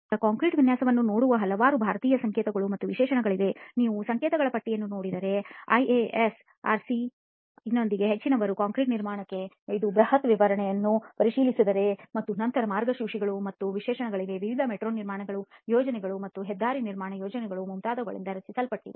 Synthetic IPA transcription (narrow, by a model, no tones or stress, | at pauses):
ɐkaːŋkɾiːʈʋinjaːsɐʋɐnːuno̞ːɽuʋɐɦɐlɐʋaːɾubʱaːɾɐt̪iːjɐsɐŋkeːt̪ɐɡɐɭumɐt̪ːuʋiʃɛːʃɐnɐɡɐɭid̪e̞niːʋusɐŋkeːt̪ɐɡɐɭɐpɐʈːijɐnːuno̞ːɽid̪ɐɾe̞ɐ̰jees | a̰ːɾsi | inːo̞nd̪iɡe̞ɦet͡ʃːinɐʋɐɾukaːŋkɾiʈniɾmaːɳɐkːe̞ | id̪ubɾɐhɐt̪ʋiʋɐɾɐɳɛjɐnːupɐɾiʃiːlisid̪ɐɾe̞mɐt̪ːunɐnt̪ɐɾɐmaːɾɡɐʃiwʂiɡɐɭumɐt̪ːuʋiʃɛːʃɐnɐɡɐɭiʋ̪e̞ʋiʋid̪ʱɐmeʈɾoːnːiɾmaːɳɐɡɐɭujoːd͡ʒɐnɛɡɐɭumɐt̪ːuɦɛd̪ːaːɾiniɾmaːɳɐjoːd͡ʒɐnɛɡɐɭumumt̪aːd̪ɐɡɐɭḭnd̪ɐɾɐt͡ʃːisɐlpɐʈːid̪e